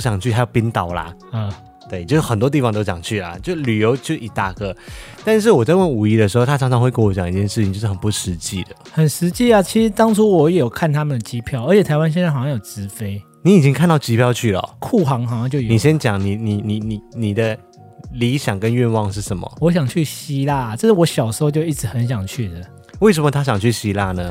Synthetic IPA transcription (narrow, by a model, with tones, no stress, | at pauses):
ɕjɑ˨˩ŋt͡ɕʰy˥˩ha˧˥jo˨˩ʊpi˥nt̪ɑ˨˩ʊla̰˨ə˥˩ | t̪we˥ɪt͡ɕjo˥˧ʊʂ̩˥˩xə˨˩nt̪wɔ˥t̪̬i˥˩fɑ˨ŋt̪o˥ʊɕjɑ˨˩ŋt͡ɕʰy˥˩la̰˩t͡ɕjo˥˧ʊ˧ly˨˩jo˧˥ʊt͡ɕo˥˧ʊ˨i˨˩t̪a˥˧kɤ˥˦t̪a˥˧nʂ̬ɻ̩˥˩wɔ˨˩t͡sa˥˧ɪwə˥˩nu˨˩i˧˥d̪ə˨ʂ̬ɻ̩˧xo˥˧ʊt̪ʰa˥ʈ͡ʂʰɑ˧˥ŋʈ͡ʂʰɑ˧˥ŋxwe˥˧kə˥˩nwɔ˧˩t͡ɕɑ˨˩ŋi˧˥t͡ɕjɛ˥˧nʂɻ̩ʰ˥˩ĩ˨ŋt͡ɕjo˥˧ʂ̩˥˩xə˨˩npu˧˩ʂɻ̩˧˦t͡ɕi˥˩d̪ə̰˨hə˨˩nʂɻ̩˧˦t͡ɕi˥˩a˨t͡ɕʰi˧˥ʂɻ̩˧˥t̪ɑ˥ŋʈ͡ʂʰu˥wɔ˨˦jɛ˨˩jo˨˩ʊkʰa˥˩nt̪ʰa˥mə˨nd̪ə˩t͡ɕi˦˥pʰjɑ˥˨ʊə˞˧˥t͡ɕʰɛ˨˩t̪ʰa˧ɪwa˥˦nɕ̬ɛ˥˧nt͡sɕjɑ˥˧jo˨˩ʊʈ͡ʂɻ̩˧˥fe˥ɪ | ni˨˦i˨˩i˦ŋkʰnt̪ɑ˥˩ʊt͡ɕi˦˥pʰjɑ˥˧ʊt͡ɕʰy˥˩lə̰˩kʰu˥˩xɑ˧˥ŋxɕjɑ˥˧ŋt͡ɕjo˥˧ʊjni˨˩ɕjɛ˦nt͡ɕjɑ˨˦ŋni˨˩ni˨˩ni˨˩ni˨˩ni˨˩d̪ə˦ | li˧˥ɕjɑ˨˩ŋkə˦nɥɛ˥˧nwɑ˥˧ŋʂɻ̩˥˩ʂə˧˦nmə̰˨wɔ˧˥ɕ̬jɑ˨˩ŋt͡ɕʰy˥˩ɕi˦˥la˥˩ɐ˩ʈ͡ʂə˥˧ʂ̩˥˩wɔ˧˥ɕjɑ˨˩ʊʂ̩˧˥xo˥˧ʊt͡ɕjo˥˧ʊi˥˩ʈ͡ʂɻ̩˧˥xə˧˦nɕ̬jɑ˨˩ŋt͡ɕʰy˥˩d̪ə˩ | we˥˩ɪʂ̬ə˨nmə˧t̪ʰa˥ɕjɑ˨˩ŋt͡ɕʰy˥˩ɕi˥la˥˩nə˩